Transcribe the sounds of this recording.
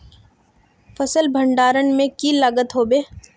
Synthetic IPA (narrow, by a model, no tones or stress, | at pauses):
fɐsəlbʱɐ̃ɳɖaːɾənmẽkiləɡət̪ɦoːbeː